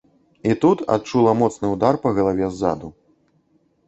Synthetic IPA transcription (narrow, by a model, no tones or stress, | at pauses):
it̪ut̪a̰t̪̚t͡ʂulˠɐmɔt̪snɨwd̪arpɐɣɐlˠavʲɛzːa̰d̪u